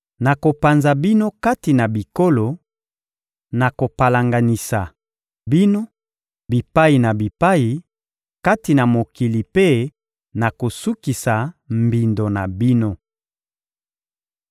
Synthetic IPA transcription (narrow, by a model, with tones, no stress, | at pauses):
na˨ko˨pa˨nza˨bi˦no˦ka˦ti˨na˨bi˨ko˦lo˨ | na˨ko˨pa˨la˨ŋɡa˨ni˨sa˨ | bi˦no˦ | bi˨pa˦ji˨na˨bi˨pa˦ji˨ | ka˦ti˨na˨mo˨ki˨li˨pe˦ | na˨ko˨su˦ki˨sa˨mbi˨ndo˨na˨bi˦no˦